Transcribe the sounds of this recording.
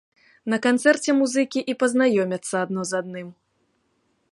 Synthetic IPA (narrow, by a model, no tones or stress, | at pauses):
nɐkant̪sɛrt͡sʲɛmuzɨkʲiʔipɐznajɔmʲɐt̪sːɐad̪nɔzad̪̚nɨm